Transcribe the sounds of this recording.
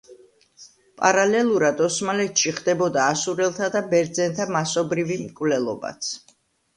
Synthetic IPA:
pʼaɾalɛlˠuɾad̪ɔsmalɛt̪ʃiχd̪ɛbɔd̪aːsuɾɛlˠt̪ʰad̪abɛɾd̪zɛnt̪ʰamasɔbɾivimkʼvlɛlˠɔ̰ba̰t̪sʰ

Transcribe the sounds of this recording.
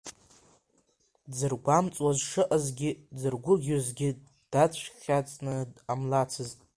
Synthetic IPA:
d͡zɨrɡʷamt͡sʼwazʂɨʔazɡʲɪd͡zɨrɡʷʊɡʲozɡʲɪ | d̥at͡sʷʰχʲat͡sʼnɨamlat͡sʰɨztʼ

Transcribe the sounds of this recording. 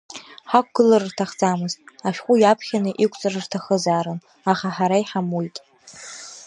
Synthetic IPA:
ħak̚ʷɡ̥ɨlarɨrtʰaχd͡zamɨztʼaʃᶣqʷʼʊjapʰχʲanɨʔikʷʼt͡sʼɨrɨrtʰaχəzaːɾɨn | aχaħaɾaiħamujtʼ

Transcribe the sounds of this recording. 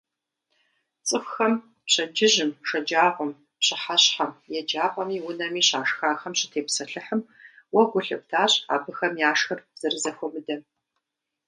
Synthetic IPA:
t͡sʼɨfʷxɐm | pɕɐd͡ʒɪʒɪmʂɐd͡ʒaːʁʷɔm | pɕɨħaɕħɐmjɛd͡ʒaːqʷʼɔmiːwʊnɐmiːɕaːʂxaːxɐmɕɪ̥tʰeːpsɐɬɨħəm | wɐɡʷʊɬɨ̰p̚tʰaːɕa̰ːbɨxɐmjaːʂxɐrz̥ɐrɨzɐxʷɔmɨdɐ

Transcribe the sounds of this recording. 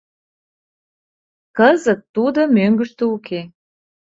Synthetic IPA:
kəzət̪ːud̪omøŋɡə̆ʃt̪əukʰe

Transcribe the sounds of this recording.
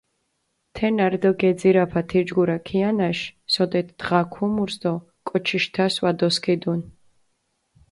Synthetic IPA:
t̪ʰɛnaɾd̪ɔɡɛd̪ziɾapʰat̪ʰiɾd͡ʒɡuɾakʰianaʃsɔd̪ɛt̪ʰd̪̥ʁakʰumuɾsd̪ɔ | kʼɔt͡ʃʰiʃt̪ʰaswad̪ɔskʰɛd̪un

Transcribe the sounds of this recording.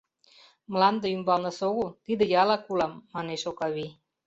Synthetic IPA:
mlɑnd̪ə̆ymbɑlnə̆soɣut̪id̪ə̆jɑlɑkulɑmːɑneʃokɑβi

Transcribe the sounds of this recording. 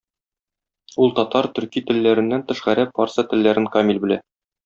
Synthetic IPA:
ulˠt̪ɒt̪ɑɾt̪ɵ̆ɾkit̪ɘ̆lːæɾɘ̆nːænt̪ɘ̆ʃʁæɾæfɑɾsɤt̪ɘ̆lːæɾɘŋkɑmʲilʲbɘ̆læ

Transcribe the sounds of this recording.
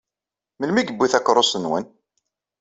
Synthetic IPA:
məlmiɡəbːiθækːɾˤosənwə̰n

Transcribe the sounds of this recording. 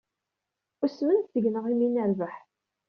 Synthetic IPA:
ʊsmənθθəʝnəʁiminəɾvəħ

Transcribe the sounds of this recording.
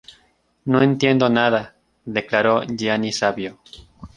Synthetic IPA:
noent̪je̞nd̪o̞naða | ðeklaɾoʝianisaβjo

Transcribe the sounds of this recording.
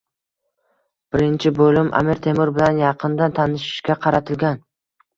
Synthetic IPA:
b̥ɪɾɪnt͡ʃʰɪbolˠɪmʔa̰mɪɾt̪ʰe̞mɪɾbɪlanjɑqʰɨnd̪ant̪ʰanɪʃɪ̥ʃkʲaqʰɑɾat̪ʰɪlɡʲan

